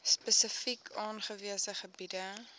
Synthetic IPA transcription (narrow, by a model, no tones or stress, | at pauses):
spəsəfikʰɑːnχəviəsəχəbidə